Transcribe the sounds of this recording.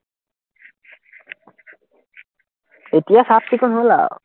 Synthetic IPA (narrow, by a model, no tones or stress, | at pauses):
et̪iasap̚tikonɦola̰